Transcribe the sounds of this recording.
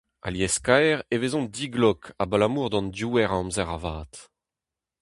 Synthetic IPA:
a̰ljɛskaɛʁevezɔ̃ndiɡlɔkʰabalamuːʁd̪ɑ̃ndjuːɛʁãmzɛʁavaːt̪

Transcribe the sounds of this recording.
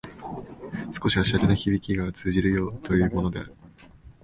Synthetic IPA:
sɨ̥ko̞ɕiaɕaɾʲenoçibʲikʲiɡat͡sɨːʑiɾɯ̟jo̞ːt̪o̞jɯ̟ːmo̞no̞d̪e̞̰a̰ɾɯ

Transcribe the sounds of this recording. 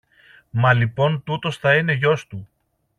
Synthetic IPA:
mɐlipo̞nt̪ut̪o̞sθɐine̞ʝo̞st̪u

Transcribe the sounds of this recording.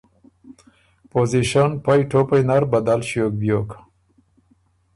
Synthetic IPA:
poziʃanpajʈʰopajnaɾbad̪alɕjok̚bjok

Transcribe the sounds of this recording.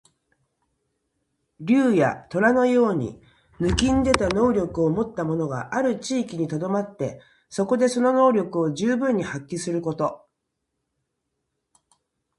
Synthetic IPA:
ɾʲɨːja̰t̪o̞ɾano̞jo̞ːɲ̟ḭ | nɯ̟kʲĩnd̪e̞t̪ano̞ːɾʲo̞kɯ̟o̞mo̞t̪ːamo̞no̞ɡa̰ʔaɾɯ̟t͡ɕiːkʲiɲ̟it̪o̞d̪o̞mat̪ːe̞ | so̞ko̞d̪e̞so̞no̞no̞ːɾʲo̞kɯ̟o̞ʑɨːbɯ̟̃ɲ̟ːihakʲːisɨɾɯ̟ko̞t̪o̞

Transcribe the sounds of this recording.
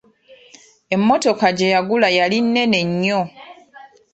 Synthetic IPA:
e̞mːo̞to̞kaɟe̞jaɡulajalinːe̞ne̞ɲːo

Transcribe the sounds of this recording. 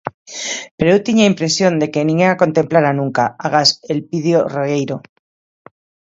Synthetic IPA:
peɾewt̪iɲaimpɾe̞sjo̞nd̪e̞kenĩŋeako̞nt̪e̞mplaɾanũŋkaaɣ̞ase̞lpiðjoroejɾo

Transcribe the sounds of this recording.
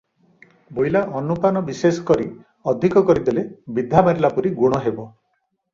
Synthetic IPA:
bojlaʔɔnupanɔbiseskɔɾi | ɔd̪ʱikɔkɔɾid̪elebid̪ʱːamaɾilapuɾiɡuɽ̃ɔɦebɔ

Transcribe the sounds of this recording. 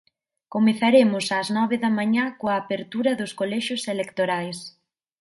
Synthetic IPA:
komeθaɾemʊsaznɔβeðɐmãɲakoaːpeɾt̪uɾɐðʊskolɛʃʊselekt̪oɾajs

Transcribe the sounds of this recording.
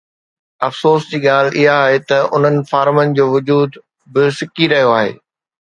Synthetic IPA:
ɐfsoːsd͡ʑiːɠaːl̤ɪɦaːɦet̪ɐʊ̰n̤ənɪ̆faːɾmənɪ̆d͡ʑoːʋʊd͡ʑuːd̪ | bɪsɪkiɾɐɦijoaːɦḛː

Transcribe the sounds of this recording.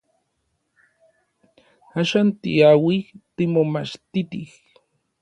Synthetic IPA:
aʃant̪ḭawixt̪imomaʃt̪it̪ix

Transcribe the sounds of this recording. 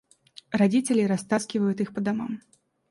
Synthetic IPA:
rad͡zʲit͡sʲelʲiɾast̪askʲivɐjut̪ixpɐd̪amam

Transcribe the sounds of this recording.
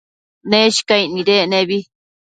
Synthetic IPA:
nẽʃi̥kainĩɾenẽβi

